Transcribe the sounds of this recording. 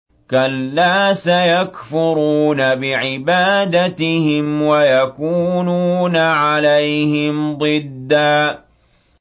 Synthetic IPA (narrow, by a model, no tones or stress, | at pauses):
kalːaːsajakfʊɾuːnabɪʕɪbaːd̪at̪ɪhɪmwajakuːnuːnaʕalajhɪmd̪ˤɨd̪ːaː